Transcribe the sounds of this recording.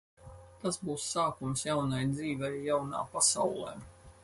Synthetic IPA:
t̪asbuːsːaːkumsjawnajd̪ziːvʲɛjjawna̰ːpasa̰wlˠɛ̰ː

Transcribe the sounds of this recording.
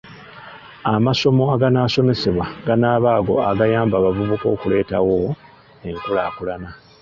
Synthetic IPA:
amaso̞mo̞aɡanaso̞me̞seβwaɡanaːβaːɡo̞aɡajaːmbaβavuβuko̞ːkule̞ːtawo | e̞ŋkulakulana

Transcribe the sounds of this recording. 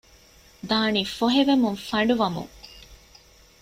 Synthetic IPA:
d̪aːniːfoɦeʋemuŋfɐɳɖuʋɐmṵŋ

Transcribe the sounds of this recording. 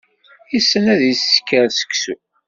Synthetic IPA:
isːənæðisːkːəɾsə̥ksu

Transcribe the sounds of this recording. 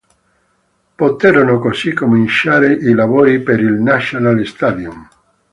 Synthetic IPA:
pot̪ɛɾonokosikomint͡ʃaːɾeʔilavoːɾipeɾilnaʃonalst̪ad̪jum

